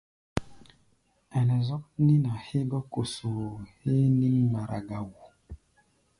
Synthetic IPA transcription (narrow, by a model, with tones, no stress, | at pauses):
ɛ˨nɛ˨zɔ˦k̚ni˦na˨he˦bɔ˦ko˨so˨he˦ni˦mːa˨ɾʔa˨ɡa˨wu˨